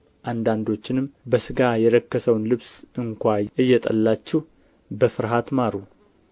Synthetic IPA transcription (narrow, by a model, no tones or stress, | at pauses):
ʔand̪and̪o̞t͡ʃːɪnɨmbəsɨɡajɛɾəkːəsəwnlɨβsɨŋkʷaʔɨjːɛt̪ʼə̰lːat͡ʃːɛh | bəfɨɾɦat̪maɾu